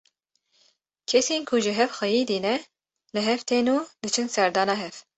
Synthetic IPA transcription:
kʰɛseːnkʰuʒɨɦɛfxʷɛjiːd̪iːnɛ | lɨɦɛft̪ʰeːnuːd̪ɨt͡ʃʰɨnsɛɾd̪ɑːnɑːɦɛf

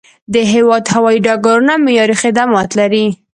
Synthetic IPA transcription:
d̪əɦewɑd̪hawɑiɖɑɡaɾunamɪjɑɾixɪd̪amɑt̪laɾi

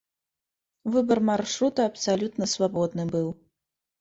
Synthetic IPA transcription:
vɨbɐrmarʂɾut̪ɐɐpsalʲut̪nɐsvabɔd̪nɨbɨw

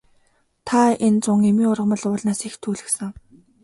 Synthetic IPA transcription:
t̪ʰaent͡sʊŋemiːʊrʁə̆mə̆ɮʊːɮnaːsext̪ʰuːɮɘ̆ksə̆ŋ

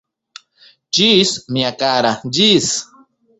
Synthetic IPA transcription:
d͡ʒismiakaɾad͡ʒis

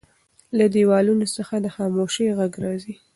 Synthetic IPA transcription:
lad̪iwɑlunosəxad̪əxɑmoʃeɣaɡɾɑzi

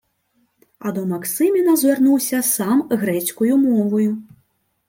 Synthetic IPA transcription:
ɐd̪ɔmaksɨmʲinɐzʲvʲarnuwsʲɐsamɣɾɛt͡skujumɔvɐju

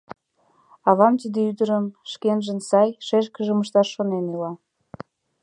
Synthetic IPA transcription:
ɑβɑmt̪id̪eyd̪əɾəmʃkenʒə̆nsɑjʃeʃ̬kəʒəməʃt̪ɑʃːonenilɑ

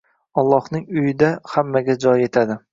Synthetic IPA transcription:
ɒlˠːɒhnɪŋʊjɪd̪ahamːaɡʲad͡ʒɒje̞t̪ʰad̪ɪ

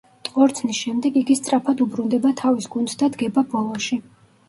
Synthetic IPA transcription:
t̪ʼqʼɔɾt̪sʰnisʃɛmd̪ɛɡiɡist̪sʼɾapʰad̪ubɾund̪ɛbat̪ʰavisɡund̪sd̪ad̪ɡɛbabɔlˠɔʃi

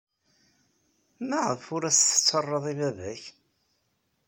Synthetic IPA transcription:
mæʁəfʊɾæsθə̥t͡sːərˤːəðˤivæðæç

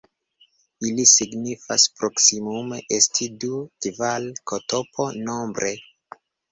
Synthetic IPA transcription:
ilisiɡnifa̰spɾo̞ksimumeʔestʰidukivalkoto̞pʰo̞no̞mbɾʔe

